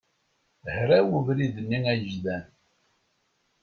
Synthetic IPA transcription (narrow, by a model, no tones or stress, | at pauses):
hɾæwuvɾiðənːiŋæjəʒðæn